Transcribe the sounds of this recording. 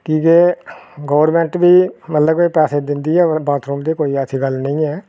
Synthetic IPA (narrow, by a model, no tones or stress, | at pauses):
kiːkeɡəːʋəɾmɛ̃ːɳʈbiːmət̪ləbkepɛːseːd̪ɪnd̪iːɛːbaːt̪ʰɾuːmd̪eːkoːiːɛsʰiːɡəlnə̃ĩːɛː